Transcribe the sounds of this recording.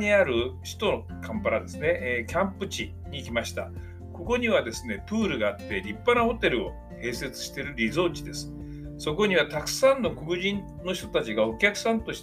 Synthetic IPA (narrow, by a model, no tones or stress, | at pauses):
ɲiaɾɯ̟ɕi̥t̪o̞no | kʰãmpaɾad̪e̞sɨne̞ʔkʲãmpɯ̟t͡ɕi | ɲ̟iːkʲimaɕi̥t̪a̰ | ko̞ko̞ɲ̟iβad̪e̞sɨne̞pɯ̟ːɾɯ̟ɡaːt̪ːe̞ɾʲipːanaho̞t̪e̞ɾɯ̟o̞ | he̞ːse̞t͡sɨ̥ɕi̥t̪e̞ɾɯ̟ɾʲizo̞ːt͡ɕid̪e̞sɨ̥ | so̞ko̞ɲ̟iβat̪akɯ̟̥sãnːo̞kokɯ̟ʑĩn | no̞çi̥t̪ot̪at͡ɕiɡao̞kʲakɯ̟̥sãnt̪o̞ɕi̥